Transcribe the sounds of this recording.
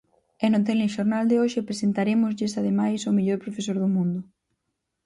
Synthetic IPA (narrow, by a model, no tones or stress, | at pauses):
enʊt̪̬elɪʃoɾnald̪eoʃɪpɾesent̪aɾemʊzʎɪsað̞emajsʊmeʎoɾpɾofesoɾðʊmũnd̪ʊ